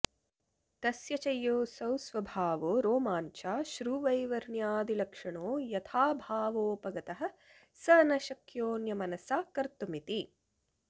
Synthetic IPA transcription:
t̪ɐsjɐt͡ʃɐjːoːsɐwsʋɐbʱaːʋoːɾoːmaːɲt͡ʃaːʃɾuːʋɐjʋɐɾɳjaːd̪ilɐkʂɐɳoːjɐt̪ʰaːbʱaːʋoːpɐɡɐt̪ɐɦɐ̆ | sɐnɐʃɐkjoːnjɐmɐnɐsaːkɐɾt̪umit̪i

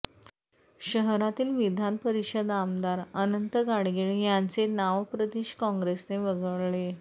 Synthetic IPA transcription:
ɕəɦɾat̪iːlʋid̪ʱanpəɾiɕəd̪amd̪aɾənənt̪əɡaɽɡeɭjant͡senaʋpɾəd̪iɕkɔ̃ŋɡɾesneʋəɡəʋɭe

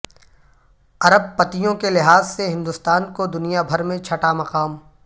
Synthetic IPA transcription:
ɐɾəb̚pɐt̪ijõkelɪɦaːzseɦɪ̃nd̪ʊst̪aːnkod̪ʊnijabʱɐɾmẽt͡ʃʰɐʈamɐqaːm

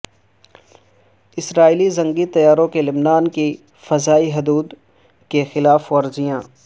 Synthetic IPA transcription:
ɪsɾaːiːlizɐ̃ŋɡit̪ɐjaːɾõkelɪbnaːnki | fɐzaːiɦʊd̪uːd̪ | kexɪlaːfɔːɾd͡ʒijãː

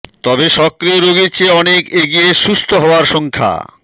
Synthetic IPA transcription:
t̪ɔbeʃɔkɾioɾoɡit͡ɕʰeɔnekeɡijeʃust̪ʰoɦɔoaɾʃɔŋkʰa̰

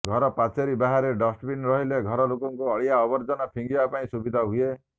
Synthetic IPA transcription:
ɡʱɔɾɔpat͡ʃeɾibaɦaɾeɖɔsʈbinɾɔɦileɡʱɔɾɔlokɔŋkuɔɭijaɔbɔɾd͡ʒɔnɔpʰiŋɡibapaĩsubid̪ʱaɦue

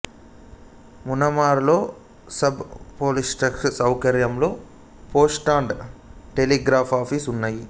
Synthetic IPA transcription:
munɐmaːɾlo̞ː | sɐbpoːlisʈɐkʂsɐwkɐɾjɐmlo̞ː | po̞ːsʈaːɳɖʈeliɡɾaːpʰaːpʰisunːaːji

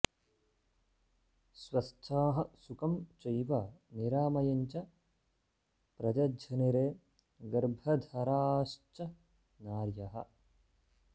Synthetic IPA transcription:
swɐst͡ʃʰaːɦɐsukɐmt͡ʃɐjʋɐniɾaːmɐjɐɲt͡ʃɐ | pɾɐd͡ʒɐd͡ʒʱɐniɾeː | ɡɐɾbʱɐd̪ʱɐɾaːʃt͡ʃɐ | naːɾjɐɦɐ̰̆

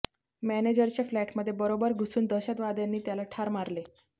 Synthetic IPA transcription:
mæned͡ʑəɾt͡ɕeflæʈməd̪ʱːjebəɾobəɾɡʱusuːnd̪əɕat̪ʋad̪janːiːt̪jalaʈʰaɾmaɾle

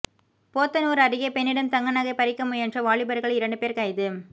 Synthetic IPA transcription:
poːt̪ːɐnuːɾɐɾɪɣɐpɛnːɪɽɐnt̪ɐŋɡɐnɐɣɐɪpɐɾɪkːɐmɯɛndrɐʋaːɭɪbɐɾɣɐɭɪɾɐɳɖɯpeːɾkɐjðɯ

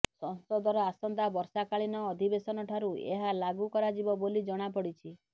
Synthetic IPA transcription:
sɔnsɔd̪ɔɾɔasɔnd̪abɔɾsakaɭinɔːd̪ʱibesɔnɔʈʰaɾuḛɦalaɡukɔɾad͡ʒibɔbolid͡ʒɔɽ̃apɔɽit͡ʃʰi

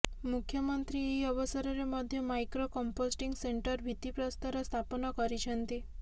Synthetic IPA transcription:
mukʰjəmənt̪ɾieəʋəsɔɾɔɾemɔd̪ʱjəmajkɾokɔmposʈiŋɡseɳʈəɾbʱit̪ipɾɔst̪aɾɔst̪ʰapnɔkɔɾit͡ʃʰənt̪i

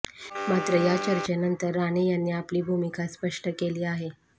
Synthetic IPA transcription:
mat̪ɾəjat͡ɕəɾt͡ɕenənt̪əɾːañijanːiːapliːbʱumikaspəʂʈəkeliːaɦe

